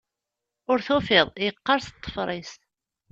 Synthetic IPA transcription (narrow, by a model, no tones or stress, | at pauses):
ʊɾθufɪðˤjəqːɑɾst̪ˤːə̥fɾˤis